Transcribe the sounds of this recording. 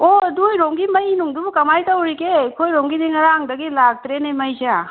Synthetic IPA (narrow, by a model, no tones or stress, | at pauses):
odujɾoŋɡimɐjinuŋdubkɐmajtawɾikekʰojɾoŋɡideŋɐɾaŋdɐɡilaɡ̚t̪ɾenɐjmɐjsea